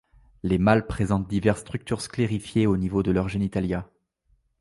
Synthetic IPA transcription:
lemalpχezɑ̃t̪̚d̪ivɛʁst̪χyk̚t̪yʁskleʁifjeonivod̪əlœʁʒenit̪alja

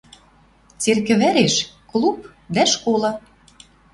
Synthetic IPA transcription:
t͡serkɘ̆βæɾeʃklˠup̚ | d̪æʃkolɤ̆

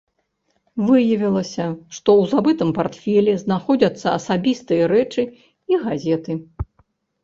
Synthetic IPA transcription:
vɨjɐvʲilˠɐsʲɐʂt̪ɔwzabɨt̪ɨmpart̪fʲɛlʲɛznaxɔd͡zʲɐt̪sːɐɐsabʲist̪ɨjɐɾɛt͡ʂɨ | iɣazʲɛt̪ɨ

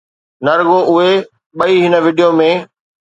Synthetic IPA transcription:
nɐɾɡoʔʊɦe | ɓɐiɦɪnə̆ʋɪːɖijomẽː

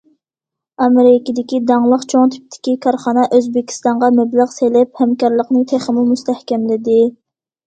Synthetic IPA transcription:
ɑmeɾɪkʲid̪ɪkʲid̪ɑŋlˠəqt͡ʃʰoŋt̪ʰy̥p̚t̪ʰːɪ̥kʲikʰɑɾχɑnɑʔøzbɪkʲʰi̥st̪ɑɴʁɑmɛblæʁselɪphɛmkɑɾlˠəqnɨt̪ʰeχəmumust̪ʰɛhkʲɛmlɪd̪ɪ

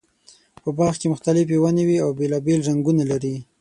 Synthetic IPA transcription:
pəbɑxkemʊxt̪alɪf̬ewanewiawbelɑbelʐaŋɡunalaɾi

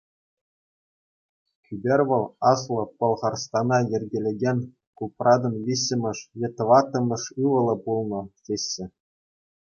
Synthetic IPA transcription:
kʲybʲerʲʋɤ̆lˠɑslˠɤ̆pɤ̆lˠʁɑrst̪ɑnɑjĕrʲɡʲelʲĕɡʲenʲ | kuprʔɑd̪ɤ̆nʋʲiɕʲːɘ̆mʲɘ̆ʂjʲĕt̪ʋɑt̪ːɤ̆mʲɤ̆ʂɯʋɤ̆lˠɤ̆pulˠnɤ̆tʲeɕːɘ̆

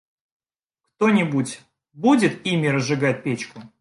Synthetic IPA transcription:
kt̪onʲɪbutʲ | budʲɪt̪imʲɪɾəzʐɨɡat̚ʲpʲet͡ɕkʊ

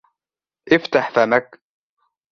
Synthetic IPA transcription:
ʔɪft̪aħfamak

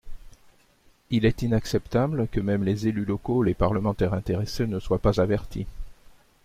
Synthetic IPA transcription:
ilɛt̪inaksɛpt̪ablkəmɛmlezelylɔkolepaʁləmɑ̃t̪ɛʁɛ̃t̪eʁesenəswapazavɛʁt̪ʰḭ

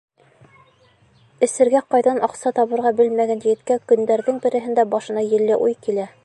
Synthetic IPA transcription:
ɘ̆sɘ̆ɾɡæqɑjðɑnʔɑqsɑt̪ɑβɤ̆ɾʁɑbɘlmæɡænjɘ̆ɡɘ̆t̪kækɵ̆nd̪æɾðɘŋbɘ̆ɾɘ̆ɦɘ̆nd̪æbɑʃɤ̆nɑjɘ̆lːɘʔujkilæ

